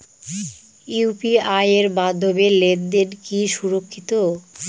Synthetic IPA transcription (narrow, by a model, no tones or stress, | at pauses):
iwpiajeɾmad̪ʱːobeled̪d̪enkiʃuɾokʰːit̪o